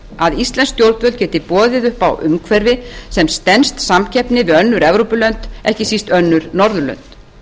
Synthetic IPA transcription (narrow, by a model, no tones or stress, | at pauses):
aðist̪lɛnst̪jowɾt̪vœlcɛːt̪ɪpɔːðɪðʏhpawʔʏmkʰvɛɾvɪsɛmst̪ɛnst̪samcʰɛpnɪvɪðœnːʏɾɛvɾowpʏlœnt̪ɛhcɪsist̪œnːʏɾnɔɾðʏlœ̰nt̪